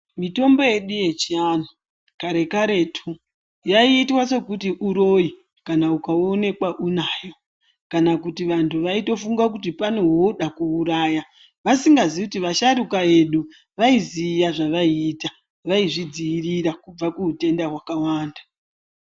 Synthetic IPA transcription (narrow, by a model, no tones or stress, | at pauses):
mito̞mbo̞je̞ɗuje̞t͡ʃianu | kaɾe̞kaɾe̞tʰu | jaiːtwase̞kutiʔuɾo̞i | kanaukao̞ne̞kwaʔunaːjo̞ | kanakutiʋantʰuʋaito̞fuŋɡak̬utipanoɦoɗakuːɾaːja | ʋasiŋɡazikutiʋaʃaɾukae̞ɗu | ʋaizijaʐaʋaiːta | ʋaiʐid͡zijiriɾakub͡vakuute̞ndaɦwakawaːnda